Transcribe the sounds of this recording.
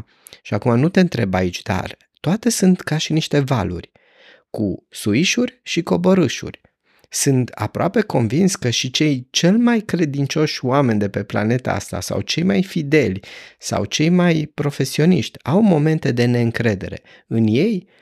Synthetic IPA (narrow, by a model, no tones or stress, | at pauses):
ʃiakumanut̪e̞ɨnt̪ɾe̞bait͡ʃʲd̪a̰r | t̪oat̪e̞sɨnt̪kaʃiniʃt̪e̞va̰lṵrʲ | kusuiʃurʲʃiko̞boɾɨʃṵrʲ | sɨnt̪a̰pɾoape̞ko̞nvinskəʃit͡ʃe̞jt͡ʃe̞lmajkɾe̞d̪int͡ʃo̞ʃʲoame̞nd̪e̞pe̞pla̰ne̞t̪a̰a̰st̪a̰sa̰wt͡ʃe̞jmajfid̪e̞lʲsa̰wt͡ʃe̞jmajpɾo̞fe̞sio̞nḭʃt̪ʲawmo̞me̞nt̪e̞d̪e̞ne̞ɨŋkɾe̞d̪e̞̰ɾe̞̰ | ɨnje̞j